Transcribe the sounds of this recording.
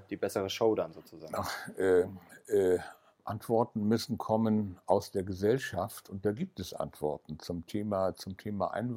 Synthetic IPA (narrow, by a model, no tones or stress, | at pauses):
d̥iːbɛsəʁəʃoʊdanzoːt͡suzaːnaχʔɛːʔɛː | ʔantv̥ɔɐtn̩mʏsn̩kʰɔmənʔaʊsd̥eːɐɡəzɛlʃaftʊnt̚d̥aːɡiːp̚tɛsʔa̰ntv̥ɔ̰ɐtn̩t͡sʊmtʰeːmat͡sʊmtʰeːma̰ʔa̰ɪnv